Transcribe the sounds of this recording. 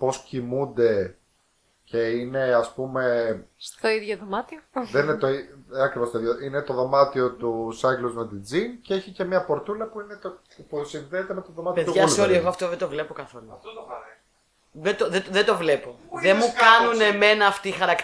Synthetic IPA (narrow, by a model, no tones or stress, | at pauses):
po̞scimund̪e̞ | ce̞ine̞ɐspume̞st̪o̞iðʝoðomɐt̪ioðeniet̪oiɐkɾivost̪oiðjoine̞t̪o̞ðo̞mɐt̪io̞t̪usɐʝluzme̞t̪id͡zinceeçice̞mɲɐpo̞ɾt̪ulɐpuinet̪o | pusinðeːt̪eme̞t̪oðomɐt̪ipoeðt̪uʝɐsoɾɐeɣoɐft̪oðed̪ovle̞pokɐθo̞luft̪o | ðed̪oðeðed̪o̞vle̞po̞ðemukɐnuneme̞nɐːft̪iːxɐɾɐk